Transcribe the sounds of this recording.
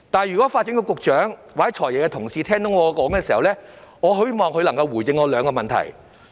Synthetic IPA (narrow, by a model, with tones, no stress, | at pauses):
t̪aː˨˩njyː˨kɔː˨˦˥faː˧t̚t͡ɕi˨˥ŋkɔː˧kʊ˨k̚t͡ʃœː˨˥ŋwaː˨˩hɐ˨˦jt͡ʃʰɔː˨˩jɛ˨˩kɛ˧t̪ʰʊ˨˩ŋsiː˧t̪ʰɛː˥ŋt̪ʊ˨˥ŋɔː˨˧kɔː˨˥ŋkɛː˧si˨˩hɐ˨˩wlɛː˥ŋɔː˨˧ɦɵ˨˥˨mɔː˨ŋkʰɵ˧ɥlɐ˨˩ŋkɐ˧wwuː˨˩jɪ˧ŋɔː˨˧lœː˨˧ŋkɔː˧mɐ˨nt̪ʰɐ̰˨˩j